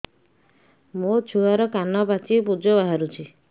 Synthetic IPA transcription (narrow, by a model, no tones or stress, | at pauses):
mot͡ʃʰuɦaɾɔkanɔbat͡ʃipud͡ʒɔbaɦaɾut͡ʃʰi